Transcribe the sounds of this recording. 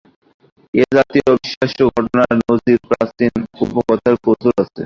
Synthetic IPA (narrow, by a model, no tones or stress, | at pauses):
ed͡ʑat̪iobiʃaʃoɡʱɔʈonaɾnod͡ʑiɾpɾasinupokɔt̪ʰaɾkot̪ʰoɾat͡ɕʰḛ